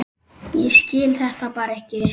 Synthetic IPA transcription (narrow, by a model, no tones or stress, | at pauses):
jɛɣscɪːlθɛht̪apaːɾɛhcɪ